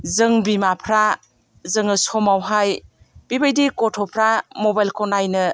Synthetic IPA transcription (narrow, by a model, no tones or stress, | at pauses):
zɯŋbimapʰɾa | zɯŋɯsɔmawɦaj | b̥ibɯjdikɔtʰɔpʰɾamobajlkʰɔnajnɯ